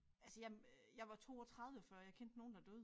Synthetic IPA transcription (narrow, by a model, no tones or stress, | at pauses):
ælsəjɑ̈jɑ̈ɪʋɑ̈t͡sʰo̝̰ːɒ̽t͡sʰʁɑ̈ðˠʋəfɶɐ̰jɑ̈ɪkʰen̰d̥no̝ːn̩d̥ɑd̥øːðˠ